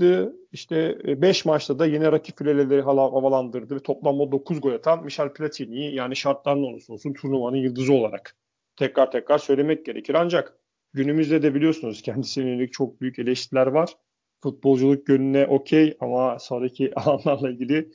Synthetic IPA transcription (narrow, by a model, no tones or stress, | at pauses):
d̪ɯiʃt̪ʰɛbɛʃmat͡ʃt̪ʰad̪ajenɛɾacʰi̥pfilʲelʲelʲe̞ɾiɦalˠahavalˠand̪ɯɾd̪ɯvɛt̪ʰo̞plˠanmad̪o̞kʰuzɡo̞lʲat̪ʰanmiʃɛlʲpʰilʲat̪ʰinijijaːniʃaɾt̪lˠaɾɯnonusonˠsunt̪ʰuɾnˠumanɯnjɯlˠd̪ɯzɯo̞lˠaɾa̰k | t̪ʰɛcɾaɾt̪ʰɛcɾaɾsø̞jlʲe̞mɛc̚ɟe̞ɾecʰiɾand͡ʒak | ɟynymyzd̪ɛd̪ɛbilʲijo̞sunuz̥cʰɛnd̪isinenelʲic̚t͡ʃʰo̞k̚byjyce̞lʲɛʃt̪ilʲæɾvaɾ̥ | fut̪̚bo̞lˠd͡ʒulˠɯk̚ɟønynɛʔo̞cʰejamasonɾacʰiʔalˠanlˠaɾlˠailʲɟilʲɪ